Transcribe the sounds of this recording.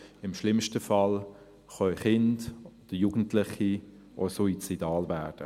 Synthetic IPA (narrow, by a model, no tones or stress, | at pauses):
ɪmʃlɪmʃtəfɑl | χœχɪndd̥əjuːɡ̥n̩tʰlɪχi | ʔɔ̰sɔit͡sidɑːlvæːrd̥ə